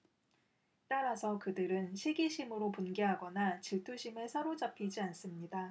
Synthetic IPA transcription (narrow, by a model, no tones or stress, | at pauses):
t͈aɾasʰʌkɯdɯɾɯnɕʰiɡiɕʰimɯɾopunɡeɦaɡʌnat͡ɕiɭtʰuɕʰimeɭsʰaɾod͡ʑapʰid͡ʑians͈ɯmɲida